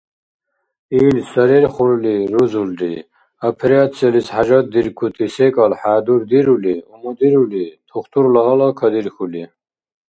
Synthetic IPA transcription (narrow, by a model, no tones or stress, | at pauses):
iːlsɐɾeɾχuɾuliɾuzuldḭ | ɐpʰɾat̪selishad͡ʑɑt̪̚d̪iɾkʰut̪ʰisekʼɑlħaːd̪uɾd̪iɾuliumɐd̪iɾulit̪ʰuχt̪uɾlɐɦɐlɑkʰɐd̪iɾxuli